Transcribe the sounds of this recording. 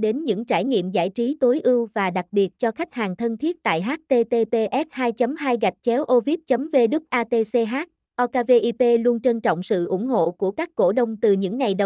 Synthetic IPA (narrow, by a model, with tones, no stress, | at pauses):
ɗe˨˦nɲɨ̰˧˥ŋt͡ɕaː˧˩jɲḭ˧˨əmza̰ː˧˩jt͡ɕi˨˦t̪o˨˦jʔɨ˧wvaː˨˩ɗa˨˩k̚ɓi˨˩ət̚t͡ɕɔ˧xa˦˥jk̚haː˨˩ŋt̪ʰə˧nt̪ʰi˦˥ət̚t̪a̰ː˧˨jɦaː˦˥t̚t̪e˧t̪e˧p̪e˧ʔɛ˦˥t̚haː˧jt͡ɕə˨˦mɦaː˧jɣa˨˩jk̟̚t͡ɕɛ˨˦wʔo˧vi˦˥p̚t͡ɕə˨˦mve˧ɗɨ˦˥p̚ʔaː˧t̪e˧se˧ɦaː˦˥t̚ | ʔɔ˧kaː˧ve˧ʔi˧pe˧lu˧ənt͡ɕe˧nt͡ɕɔ̰˧˨wŋ͡msɨ̰˧˨ʔʊ̰˧˩ŋ͡mɦo̰˧˨ku˧˩əkaː˦˥kːo̰˧˩ɗə˧wŋ͡mt̪ɨ˨˩ɲɨ̰˧˥ŋːa˨˩jɗə˨˦